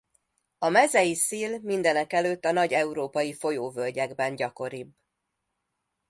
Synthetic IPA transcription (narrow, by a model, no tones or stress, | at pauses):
ɒmɛzɛjisiːlmind̪ɛnɛkɛløːt̪ːɒnɒɟɛuɾoːpɒjifo̞joːvølɟɛɡbɛnɟɒko̞ɾib